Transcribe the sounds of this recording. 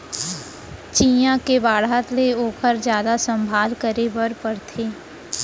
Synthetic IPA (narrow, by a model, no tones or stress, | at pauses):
t͡ʃiːjãkebaːɽat̪leoːkʰəɾd͡ʒjaːd̪asə̃mbʱaːlkəɾebəɾpəɾt̪ʰeː